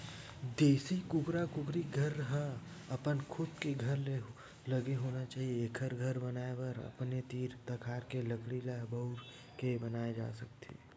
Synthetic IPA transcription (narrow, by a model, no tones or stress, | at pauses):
d̪eːsikʊɡɾakʊɡɾiɡʱəɾəɦə̃ | əpənkʰʊd̪keɡʱɐɾle | ləɡeɦoːnat͡ʃaːɦieːkʰəɾɡʱəɾbənaːebəɾə̰pnet̪iːɾt̪əkʰaːɾkeləkɽilɛbəʊɾ | kebənaːed͡ʒa̰ːsək̚t̪ʰḛ